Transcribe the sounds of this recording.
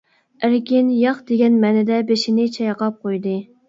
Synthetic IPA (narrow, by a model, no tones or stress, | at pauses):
æɾkʲɪnjɑχd̪̥eɡʲɛnmɛnɪd̪ɛbeʃɪnɪt͡ʃʰɑjqɑp̚qʰojd̪ɨ